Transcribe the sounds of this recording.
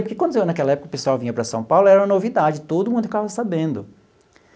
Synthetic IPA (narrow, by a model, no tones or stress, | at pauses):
poɾkekwɐ̃nd̪enakɛlɐɛpʊkɐʊpesʊawvĩɲɐpɾɐsɐ̃w̃pawlʊɛɾɐũmɐnovid̪ad͡ʒɪt̪od̪ʊmũd̪ʊkɪt̪avɐsabẽnd̪ʊ